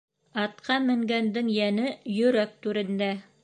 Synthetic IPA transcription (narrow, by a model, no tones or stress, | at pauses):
ɑt̪qɑmɘ̆ŋɡænd̪ɘŋjænɘjɵ̆ɾæk̚t̪ʉɾɘ̆nd̪æ